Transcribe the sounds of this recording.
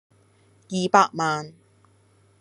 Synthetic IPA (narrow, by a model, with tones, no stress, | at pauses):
jiː˨˧paː˧k̚maː˨˧n